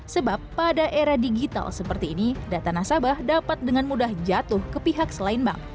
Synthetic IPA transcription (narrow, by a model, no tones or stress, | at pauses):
səbapːadaʔeɾahdiɡit̪a̰lsəpərt̪iːnidat̪anasabahdapat̪̚dəŋanmudahd͡ʒat̪ʊhkəpiɦak̚səlainba̰ŋ